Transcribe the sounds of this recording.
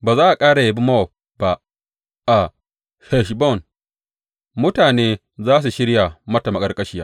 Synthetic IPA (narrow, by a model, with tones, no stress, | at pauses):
baː˨zaː˦ʔa˨kʼaː˦ɽa˨je˨bi˦mɐ˦wɔ˨ | ba˨ʔ | ʔa˨ | hɛ˨ʃ̬bɔ˦˨n | mʊ˦taː˨neː˦ | zaː˦s̬u˨ʃɪ˦ɽja˨mɐ˦ta˨mɐ˨kʼɐ˦rkʼɐ˦ʃi˦jaː˦